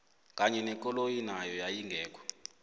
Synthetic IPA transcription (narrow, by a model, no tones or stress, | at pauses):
kʼaɲɛnɛkʼɔlojinajɔjajiŋɡʱɛːk̬ʼɔ̥